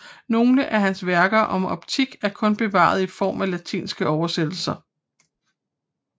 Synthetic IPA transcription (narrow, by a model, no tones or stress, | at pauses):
no̝ːləʔæɦænsʋæɐɡ̥ɐʔɒ̽mʔɒ̽b̥t͡sʰiɡ̥æɐkʰɔ̽nb̥e̝ʋɑ̰̈ð̞̩ˠifɒ̰ːmælæt͡sʰḭːnsɡ̥əɒʊɐsed̥l̩sɐ